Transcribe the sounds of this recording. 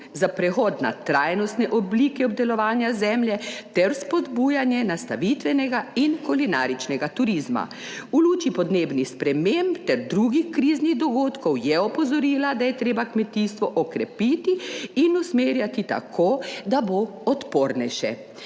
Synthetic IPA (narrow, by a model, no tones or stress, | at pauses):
zapɾɛxɔːd̪na̰t̪ɾaːjnɔst̪nɛʔɔbliːkɛɔb̚d̪ɛlɔʋaːnjazɛmljɛt̪ɛɾspɔd̪bujanjɛnast̪aʋit̪ʋɛnɛɡainkɔlina̰ːɾit͡ʃnɛɡat̪uɾizma̰ | uluːt͡ʃipɔd̪neːbnixspɾɛmempt̪ɛɾd̪ɾuɡixkɾiːzniɣd̪ɔɡoːt̪kɔwjɛɔpɔzɔɾiːlad̪ajɛt̪ɾeːbakmɛt̪ist̪ʋɔʔɔkɾɛpiːt̪iinusmeːɾjat̪it̪a̰kʰoːd̪abo | ɔt̪poːɾnɛjʃɛ̰